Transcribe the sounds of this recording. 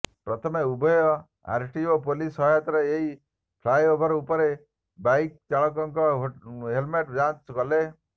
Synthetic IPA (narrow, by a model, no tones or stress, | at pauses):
pɾɔt̪ʰɔmeubʱɔjɔ | a̰ɾʈiopolisɔɦjat̪ɔɾeeɦi | pʰlajobʱɔɾɔupɔɾe | bajk̚t͡ʃaɭɔk̬ɔŋkɔɦelmeʈd͡ʒant͡ʃkɔle